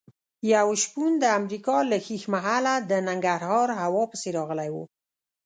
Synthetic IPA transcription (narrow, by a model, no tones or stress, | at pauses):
jawʃpund̪əamɾikɑləxixmaɦalad̪ənaŋɡaɾhɑɾhawɑpəseɾɑɣəlajwo̰